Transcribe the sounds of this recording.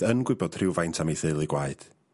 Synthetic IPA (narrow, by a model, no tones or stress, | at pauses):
ənɡwɪbɔd̥rɪwvajntʰamiθɨlˠiɡwaɨd̥